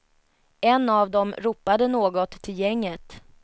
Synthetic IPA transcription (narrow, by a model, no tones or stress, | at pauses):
ɛnːavd̪ɔmɾuːpːad̪ənoːɡɔt̪ʰːɪljɛŋːət̪